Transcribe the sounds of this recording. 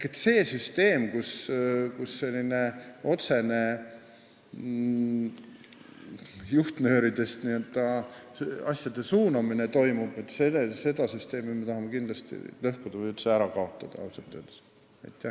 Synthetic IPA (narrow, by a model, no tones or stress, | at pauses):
kːet̪ːˑse̞ːsyst̪e̞ːmkuskusːe̞lʲːine̞o̞t̪se̞ne̞ | juht̪nø̞ːɾid̪̥e̞st̪niø̞ld̪̥ɑ | ɑsjɑd̪e̞suːnɑmine̞t̪o̞jmub̥et̪seese̞d̪̥ɑsyst̪e̞ːmime̞t̪ɑɦɑme̞kind̪lɑst̪ḭlɤhkud̪̥ɑvɤjylt̪seæɾɑkɑo̞t̪ˑːɑd̪̥ɑ̰ɑ̰wt̪ˑont̪ːøːd̪s | ɑ̰jt̪ːˑæh